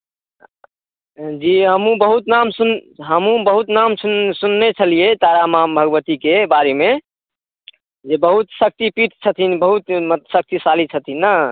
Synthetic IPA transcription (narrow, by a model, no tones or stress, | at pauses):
d͡ʒiɦəmũbəɦut̪namsunɦəmũbəɦut̪namunsunːet͡ʃʰəlijet̪aɾamambʱəɡʋət̪ikebaɾeme | d͡ʒebəɦut̪sək̚t̪ipit̪ʰt͡ʃʰət̪ʰinbəɦut̪mt̪sək̚t̪isalit͡ʃʰət̪ʰinːa